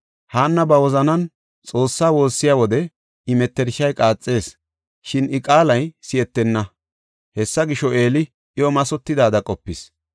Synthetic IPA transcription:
haːnːɐbɐwɔzɐnɐn | t͡sʼo̞ːsːaːwo̞ːsːɪjaːwɔd̪ɛ | ɪmɛt̪ːɛɾʃɐjkʼaːt͡sʼːe̞ːs | ʃɪnɪkʼaːlɐjsɪɛt̪ːɛnːɐ | hɛsːɐɡɪʃːɔʔeːlɪ | ʔɪɔmɐsɔt̪ːɪd̪aːd̪ɐkʼɔpːɪs

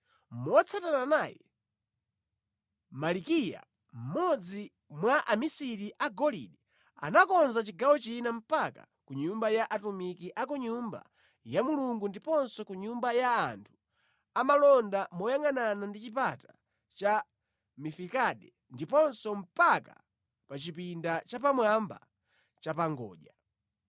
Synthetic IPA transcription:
mɔt͡sʰatananajɛ̰ | malikija̰ | m̩mɔd͡zi | mwaʔamisiɾiʔaɡɔlḭɗɛ | a̰nakɔnzat͡ʃiɡawɔt͡ʃinam̩paka̰ | kuɲumbajaʔatumikiʔakuɲumba̰ | jamuluŋɡundipɔnsɔkuɲumbajaːntʰu̥ | amalɔndamɔjaŋananandit͡ʃip̬ata | t͡ʃa | mifikaɗɛ | ndipɔnsɔm̩paka̰ | pat͡ʃipindat͡ʃapamwamba̰ | t͡ʃapaŋɡɔ̰ːʄa

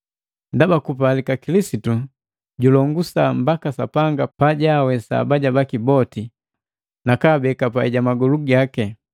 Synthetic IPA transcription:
ndabakupalikakilisitu | ɟulɔŋɡusam̩bakasapaŋɡapaɟawɛsa̰baɟabakibɔti | nakabɛkapaiɟamaɡɔluɡakɛ

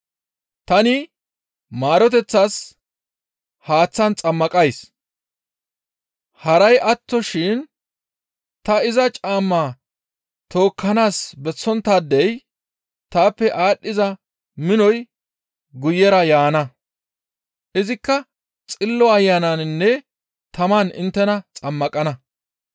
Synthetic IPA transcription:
t̪ɐnɪ | maːɾɔt̪ɛt͡sːas | haːt͡sːɐnt͡sʼɐmːɐkʼɐjs | hɐɾɐjʔɐt̪ːɔʃɪn | t̪ɐɪzɐt͡ʃʼaːmːaː | t̪o̞ːkːɐnaːsbɛt͡sːɔnt̪ːad̪ːɛj | t̪aːpːɛʔaːɗːɪzɐ | mɪnɔj | ɡʊjːɛɾɐjaːnɐ | ʔɪzɪkːɐ | t͡sʼɪlːɔɐjːanɐnnːɛ | t̪ɐmɐnɪ̰nt̪ːɛnɐt͡sʼɐmːɐkʼɐnɐ

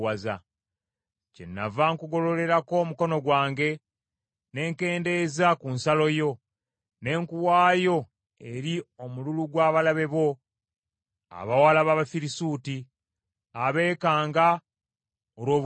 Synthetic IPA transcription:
waza | cḛnːa̰vaŋkuɡo̞lo̞le̞ɾako̞ːmuko̞no̞ɡwaːŋɡe̞ | ne̞ːŋke̞ːnde̞ːzakunsalo̞jo̞ | ne̞ːŋkuwaːjo̞ | e̞ɾio̞mululuɡwaːβalaβe̞βo̞ | a̰βawalaβaβafiɾisuːti | aβe̞ːkaːŋɡa | oɾwoː

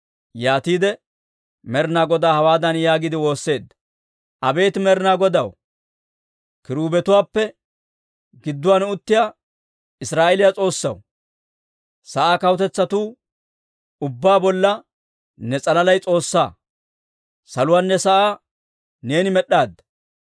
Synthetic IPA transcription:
jaːt̪iːd̪ɛ | mɛɾnaːɡɔd̪aːhɐwaːd̪ɐnjaːɡɪd̪ɪwo̞ːsːe̞ːd̪ːɐ̥ | ʔɐbe̞ːt̪mɛɾɪnaːɡɔd̪ɐw | kɪɾuːbɛt̪ʊwaːpːɛ | ɡɪd̪ːʊwaːnɛʊt̪ːɪjaː | ɪsɾaːʔɛlɪjat͡sʼo̞ːsːɐ̰w | sɐʔaːkɐwt̪ɛt͡sːɐt̪uː | ʊbːaːbɔlːɐ | nɛt͡sʼɐlɐlɐjt͡sʼo̞ːsːaː | sɐlʊwaːnːɛsɐʔaː | ne̞ːnɪmɛɗːaːd̪ːɐ̥

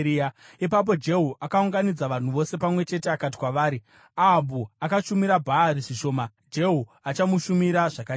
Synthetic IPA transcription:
aipap̬o̞d͡ʒe̞ɦuʔakauŋɡanid͡zaʋan̤uʋo̞se̞pamwe̞t͡ʃe̞te̞akat̬i̥kwaʋaːɾi | abuakaʃumiɾabʱaːɾiʐiʃo̞ːma | d͡ʒe̞ɦu | at͡ʃamuʃumiɾaʐaka

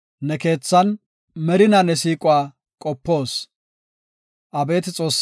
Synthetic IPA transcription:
nɛke̞ːt͡sːɐn | mɛɾɪnanɛs̬iːkʼʊaː | kʼɔpːo̞ːs | ʔɐbe̞ːt̪ɪt͡sʼo̞ːsː

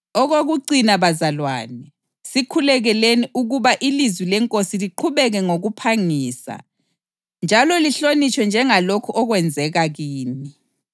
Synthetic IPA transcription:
ɔɣoɣuǀinaβazalwa̰ːnɛ | sikʰulɛɣɛleniʔuɣuβaʔilizwilɛŋkʼosiliǃʰuβɛɣɛŋoɣupʰaŋiːsa̰ | nd͡ʒʱalɔliɬonit͡ʃʰʼwɛnd͡ʒʱɛŋalokʰuʔɔɣwɛnd͡zʱɛɣaɣiːni

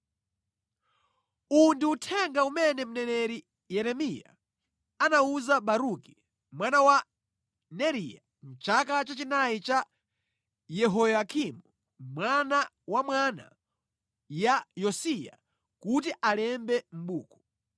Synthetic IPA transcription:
undiutʰɛŋɡaumɛnɛm̩nɛnɛɾi | jɛɾɛmija̰ | anauzaɓaɾuki | mwanawa | nɛɾija | n̩t͡ʃakat͡ʃat͡ʃinajit͡ʃa | jɛɦɔjakʰimu | mwana | wamwana̰ | jajɔsija̰ | kut̬iʔalɛmbɛm̩ɓuːkɔ

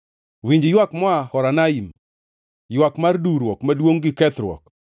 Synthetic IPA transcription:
wiɲd͡ʒjwakmɔahɔɾanaim | jwakmarduɾwɔkmadwoŋɡɪkɛt̪ɾwɔ̰k̚

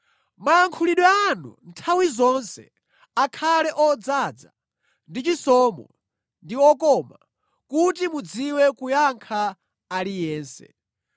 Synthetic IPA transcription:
majaŋkʰuliɗwɛanṵntʰawizɔnsɛ̰ | akʰalɛʔɔd͡zad͡za̰ | ndit͡ʃisɔːmɔ̰ | ndiɔkɔma̰ | kutimud͡ziwɛkujaŋkʰaː | lijɛːnsɛ̰

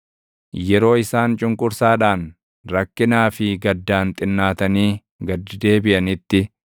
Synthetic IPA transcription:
jɛɾo̞ːɪsaːnt͡ʃʼʊŋkʼʊɾsaːᶑaːn | ɾɐkːɪnaːfɪɡɐd̪ːaːnt̪ʼɪnːaːt̪ɐniː | ɡɐd̪ːɪd̪e̞ːbɪʔɐnɪt̪ːɪ

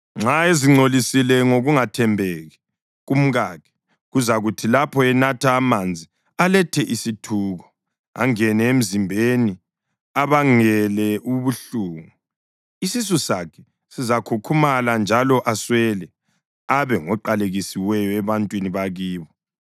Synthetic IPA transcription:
ŋ͡ǁaeziŋ͡ǀʱolisilɛŋoɣuŋatʰɛmbʱɛɣɛ | ɣum̩ɣaːkʰɛ̥ | ɣuzaɣutʰilapʰɔɛnatʰaːmand͡zʱi | alɛtʰɛʔisitʰuːɣɔ | a̰ŋɛnɛem̩zimbʱeni | aβaŋɛlɛʔuβuɬuːŋu | isis̬usakʰɛ̥ | sizakʰukʰumaland͡ʒʱalɔʔaswɛlɛ | aβɛŋɔǃaleɣisiwɛjɔɛβantʼwiniβaɣiːβɔ

